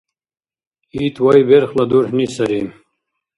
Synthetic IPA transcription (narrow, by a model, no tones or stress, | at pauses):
iːt̪ʰwɐjbeɾxlɐd̪uɾhnisɐɾim